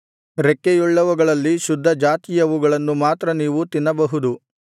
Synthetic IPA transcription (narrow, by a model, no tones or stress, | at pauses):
ɾekːejuɭːɐʋuɡɐɭɐlːiʃud̪ʱːɐd͡ʒaːt̪ijɐʋuɡɐɭɐnːumaːt̪ɾɐniːʋut̪inːɐbɐɦud̪u